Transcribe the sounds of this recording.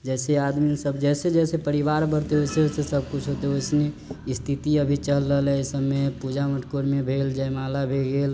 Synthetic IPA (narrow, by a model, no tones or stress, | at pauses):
d͡ʒɛsead̪misəbd͡ʒɛsed͡ʒɛsepəɾibaɾbəɾt̪eɦojseɦsesəb̚kut͡ʃʰɦot̪eojsneist̪ʰit̪iəbʱit͡ʃəɦlːəlɛsəbepud͡ʒaməʈkoɾmebʱeld͡ʒajmalabʱeɡel